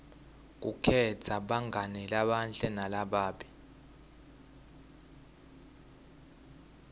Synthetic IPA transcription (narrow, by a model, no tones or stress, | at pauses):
k̬ṵkʰɛtʰaɓaŋɡʱanɛlaɓanɬʼɛnalaɓaːɓi